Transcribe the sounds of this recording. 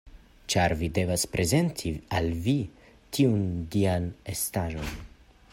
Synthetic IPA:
t͡ʃaɾvide̞vaspɾʔe̞ze̞ntʰialvi | tʰiundianestaʒo̞n

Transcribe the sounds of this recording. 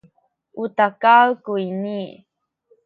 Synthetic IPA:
ʔutakawkuini

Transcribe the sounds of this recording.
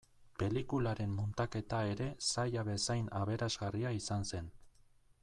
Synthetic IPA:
pe̞likulaɾe̞mːont̪ake̞t̪ae̞ɾe̞sajaβe̞sajnaβe̞ɾazɣariaisanse̞n

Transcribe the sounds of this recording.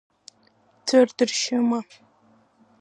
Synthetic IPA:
tʰɨrdɨrʃɐmɐ

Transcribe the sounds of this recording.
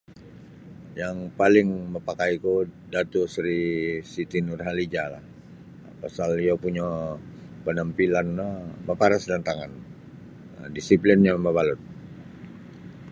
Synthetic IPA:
jaŋpalɪŋməpakaikudat̪usɾisit̪inurɦalid͡ʒala̰h | pasaliapuɲa | pənəmpilanməpaɾasdant̪aŋan | disiplɪnɲaməbalʊt̪̚

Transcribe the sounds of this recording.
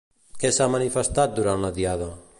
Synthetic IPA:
kesamanifəst̪at̪̚d̪uɾanlaðiaðə

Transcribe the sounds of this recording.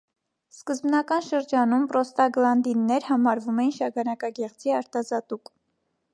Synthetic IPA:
skəzbnɑkɑnʃəɾd͡ʒɑnumpɾɔst̪ɑɡlɑnd̪inːɛɾhɑmɑɾvumɛjinʃɑɡɑnɑkɑɡɛʁt͡sʰiɑɾt̪ɑzɑt̪uk

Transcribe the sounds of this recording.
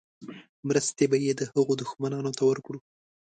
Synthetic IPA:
mɾəst̪ebajed̪əhəɣod̪ʊxmanɑnot̪awəɾkɽu

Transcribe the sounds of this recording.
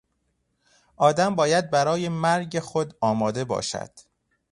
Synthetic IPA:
ʔɒːd̪æmbɒːjæd̪̚bæɾɒːjemæɾɟexod̪ɒːmɒːd̪e̞bɒ̰ːʃæ̰d̪̥

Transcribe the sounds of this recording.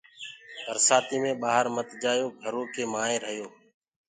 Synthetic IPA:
bəɾsaːt̪iːmẽːɓaːɦəɾmət̪d͡ʒaːjoːɡʱəɾõːkeːmaːẽːɾəɦjoː

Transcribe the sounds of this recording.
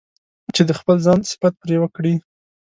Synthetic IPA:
t͡ʃed̪əxpəlzɑnsɪ̥fat̪̚pɾewəkɽi

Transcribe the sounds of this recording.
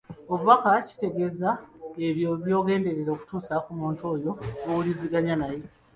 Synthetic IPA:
oβuβakaci̥te̞ɡe̞zaeβjoβjo̞ːɡe̞ːnde̞ɾeɾo̞ːku̥tuːsakumuːnto̞ːjo̞owuliziɡaɲanaje

